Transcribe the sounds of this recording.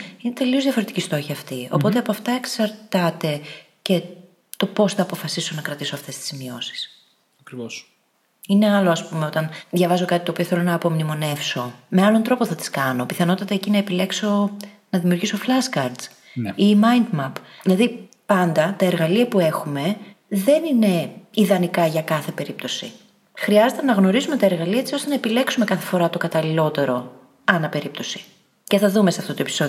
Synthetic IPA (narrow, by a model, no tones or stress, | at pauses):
inet̪e̞lio̞zðʝɐfo̞ɾet̪icist̪o̞çɐːft̪io̞̰po̞t̪e̞ɐpoɐft̪ɐeksɐɾt̪ɐt̪e̞ | ce̞ | t̪o̞po̞sθɐːpo̞fɐsiso̞nɐkɾɐt̪iso̞ɐft̪e̞st̪i̥zmio̞̰si̥s | ɐkɾivos | ine̞ɐlo̞ɐspume̞o̞t̪ɐnðʝɐvɐzo̞kɐt̪it̪oːpioθelo̞nɐːpo̞mnimo̞ne̞fso̞me̞ɐlont̪ɾo̞poθɐt̪i̥skɐno̞piθɐno̞t̪ɐt̪ɐecinɐepile̞kso̞ | nɐðimiuɾʝisoflɐskɐɾd̪z | imɐjnd̪mɐpðilɐði | pɐnd̪ɐt̪ɐeɾɣɐliɐpue̞xume̞ | ðe̞nine̞iðɐnikɐʝɐkɐθe̞pe̞ɾip̚t̪o̞si | xɾiɐze̞t̪e̞nɐɣno̞ɾizume̞t̪ɐe̞ɾɣɐliɐet͡sio̞st̪enɐepile̞ksume̞kɐθe̞̥fo̞ɾɐt̪o̞kɐt̪ɐlilo̞t̪e̞ɾo̞ | ɐnɐpe̞ɾip̚t̪o̞si̥ | ce̞θɐðumeseɐft̪ot̪o̞episo̞